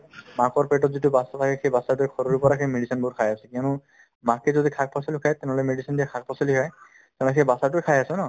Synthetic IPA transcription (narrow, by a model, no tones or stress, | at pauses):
makɔɹpeʈɔtzitubasat̪ʰakɛxejbasaɹtʊexʰɔɾuɹupɔɹaxejmeɖisɔnbɔɾkʰajasɛkiɔnʊ | makezɔd̪ikʰak̚pʰɔsɔlikʰajt̪ɛnɛɔlɔjmeɖisɔndijakʰak̚pʰɔsɔliɦɔj | tt̪ɛ̃loxʰejbasaɹtʊekʰajasɛnɔ